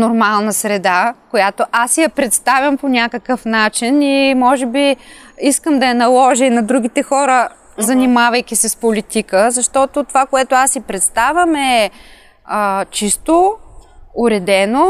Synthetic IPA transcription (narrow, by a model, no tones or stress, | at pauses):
noɾmalˠnəsɾɛd̪akojat̪oʔasjɐpɾɛt̪st̪avʲɐmponʲakəkəfnat͡ʃinimɔʒɛbiiskəmd̪ɐjɐnɐlˠɔʒəinɐd̪ɾuɡ̟ʲit̪ɛxɔɾə | zɐnimavɐjkʲisɛspolit̪ikəzɐʃt̪ɔt̪ot̪ovakoɛt̪oasjipɾɛt̪st̪avʲjɐmɛ | ət͡ʃist̪o | ʊɾɛd̪ɛno